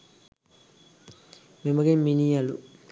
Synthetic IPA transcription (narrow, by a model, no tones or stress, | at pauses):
mɪ̃məɡẽminijalṵ